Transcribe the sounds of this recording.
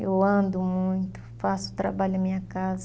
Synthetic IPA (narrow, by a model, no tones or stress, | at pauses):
ewɐ̃nd̪ʊmũj̃t̪ʊ̥fasʊ̥t̪ɾa̰baʎʊɐmĩɲɐkaz